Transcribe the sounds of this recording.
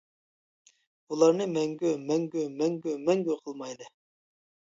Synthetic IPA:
ulˠɑɾnɨmɛŋɡʲømɛŋɡʲømɛŋɡʲømɛŋɡʲøqʰəlˠmɑjd̪ɨ

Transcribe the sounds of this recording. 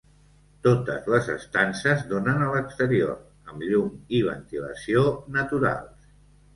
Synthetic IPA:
t̪ot̪ə̰zləzə̰st̪ansəzd̪onənələkst̪əɾioɾ | əmʎumiβ̞ə̰nt̪ilə̰sionət̪uɾa̰lˠs

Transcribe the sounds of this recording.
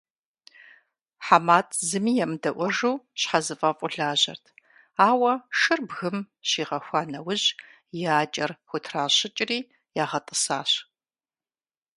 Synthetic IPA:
ħamaːtʰzɨmiːjɛmdɐʔʷɔʒuːɕħazɨfʼɐfʼʊɮaːʑɐ̰rtʰ | aːwɐʃɨrbɣɨm | ɕiːʁɐxʷɑːnɐwʊʑ | jaːt͡ʃʼɐrxʷʊtʰraːɕɪt͡ʃʼɪriː | jaːʁɐtʼɨsaːɕ

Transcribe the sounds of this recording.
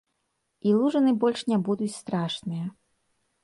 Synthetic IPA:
ilˠuʐɐnɨbɔlʲʂnʲabud̪ut͡sʲst̪ɾaʂnɨjɐ

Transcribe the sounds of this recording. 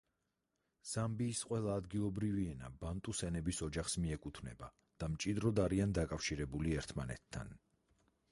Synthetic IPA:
z̥ambiːsqʼwɛlˠaːd̪ɡilˠɔbɾiviɛna̰bant̪ʼusɛnɛbisɔd͡ʒaχsmiɛkʼut̪ʰnɛba | d̪̥amt͡ʃʼid̪ɾɔd̪aɾiand̪akʼafʃiɾɛbuliɛɾt̪ʰmanɛ̰t̪ʰːa̰n

